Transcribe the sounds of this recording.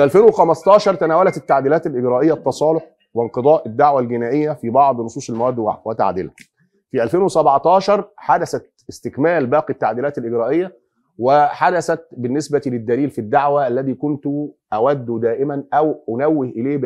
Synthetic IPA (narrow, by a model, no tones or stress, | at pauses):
fiʔælfeːnwexæmɑst̪ˤɑːʃɑɾˤt̪ænæːwælæt̪et̪ːaʕd̪iːlæːt̪ælʔɪɡɾæːʔɪjːæt̪ːɑsˤɑːloħ | wɪnqɨd̪ˤɑːʔɪd̪ːaʕwælɡɪnæːʔɪjːæfibɑʕd̪ˤnosˤuːsˤelmæwæːd̪ːwa̰ʕwæt̪a̰ʕd̪ḭlæ | fiʔælfeːnwesæbʕt̪ɑːʃɑɾˤħad̪æsæt̪̚ | ɪst̪ɪkmæːlbæːqit̪ːaʕd̪iːlæːt̪ælʔɪɡɾæːʔɪjːæ | wɪħad̪æsæt̪̚bɪnːesbæt̪ilɪd̪ːæliːlfid̪ːaʕwæʔælːæðiːkʊnt̪ʊʔæwæd̪ːd̪æːʔɪmænʔæwʔʊnæwːɪhʔɪleː